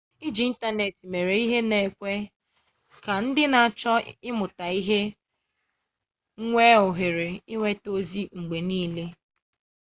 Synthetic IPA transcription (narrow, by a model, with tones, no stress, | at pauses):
i˦d͡ʒi˨˦n̩˦ta˦ne˨tme˨ɾe˨i˦ɦe˦ne˨kʷe˦ | ka˨n̩˦dɪ˦na˨a˨t͡ʃɔ˦ɪ˦mʊ˨ta˨i˦ɦe˦ | ŋʷe˦ʊ˨ɦɪ˨ɾɪ˨ɪ˦ŋʷe˦to˦zi˦ŋ͡m̩˨ɡ͡be˨niː˦le˦